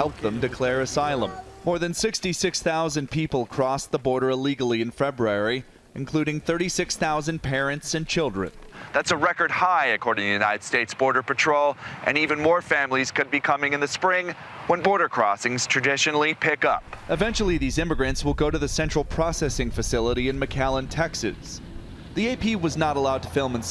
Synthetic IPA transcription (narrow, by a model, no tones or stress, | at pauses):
hɛlˠp̚ðə̃mdɨkʰl̥ɛɹɨsaɪlˠə̰̃mmɔɹðɨ̃nsɪkstisɪksθaʊzɨ̃npʰipl̩ˠkʰɹ̥ɔsðəbɔɹɾə˞ɪliɡl̩ˠiɨ̃nfɛbɹuɛɹi | ʔɨ̃nkʰl̥uɾɪ̃ŋθɜ˞ɾisɪksθaʊzɨ̃npʰɛɹɨ̃ntsɨ̃nt͡ʃʰɪlˠdɹɨ̰̃nðætsəɹɛkə˞d̚haɪɨkʰɔɹɾɪ̃ŋtʰɨjʉnaɪɾɨd̥steɪtsb̥ɔɹɾə˞pɨtʰɹ̥oʊlˠʔɨ̰̃nivɨ̃nmɔɹfæ̃mlˠiz̥kʰɨd̚bikʰʌmɪ̃ŋɨ̃nðɨspɹɪ̃ŋ | wə̃nbɔɹɾə˞kʰɹ̥ɔsɪ̃ŋz̥tʰɹ̥ɨdɪʃɨnl̩ˠipʰɪkʌ̰p̚ɨvɛ̃nt͡ʃl̩ˠiðizɪ̃mɨɡɹɨ̃ntswəlˠɡoʊɾɨðɨsɛ̃nt͡ʃɹ̥l̩ˠpʰɹ̥ɑsɛsɪ̃ŋfɨsɪlˠəɾiɨ̃nmɨkʰælˠə̃ntʰɛksɨ̰z̥ | ðieɪpʰiwʌznəɾəlaʊd̚tʰəfɪlˠmɨ̃ns